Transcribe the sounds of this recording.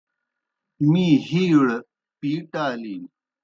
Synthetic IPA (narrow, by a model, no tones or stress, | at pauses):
miːhiːɽ | piːʈaːliːm